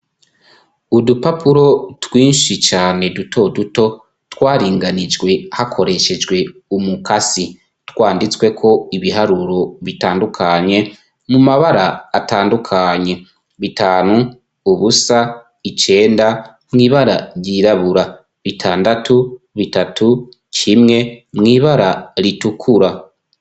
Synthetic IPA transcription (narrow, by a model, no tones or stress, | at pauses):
udupapuɾo̞twiːnʃit͡ʃaːne̞dutʰo̞duto̞ | twaːɾiːŋɡanid͡ʒɡwe̞hakʰo̞ɾe̞ʃe̞d͡ʒɡwe̞umukasi | twaːndit͡swe̞kʰo̞iβiɦaɾuɾo̞βitaːndukʰaɲe̞ | mumaβaɾaːtaːndukʰaɲe̞ | βitaːnu | uβusa | it͡ʃe̞ːnda | mŋiːβaɾa̰ɾɟiːɾaβuɾa | βitʰaːndatu | βitatʰu | cʰimŋe̞mŋiːβaɾaɾitukʰuɾa